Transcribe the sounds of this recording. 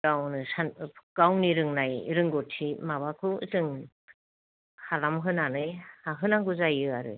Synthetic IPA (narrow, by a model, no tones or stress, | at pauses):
awnɯsankawniɾɯŋnajɾɯŋɡɔtʰimaβakʰɯ̰zɯŋ | halamɦɯnanɯjhaɦɯnaŋɡuzajɯaɾɯ̰